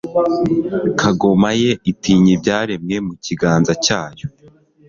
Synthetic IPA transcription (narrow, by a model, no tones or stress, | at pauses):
kʰaɡo̞maje̞itiːɲibɟaːɾe̞mŋe̞muciɡaːnzacaːjo